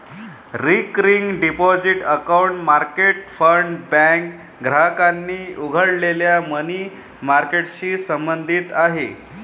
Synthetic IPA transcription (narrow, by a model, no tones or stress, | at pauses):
ɾikɾiŋɡɖipɔd͡ziʈəkauɳʈmaɾkeʈfəɳɖbæŋk | ɡʱɾakanːiːuɡʱəɽleljaməniː | maɾkeʈɕiːsəmbənd̪ʱit̪aɦe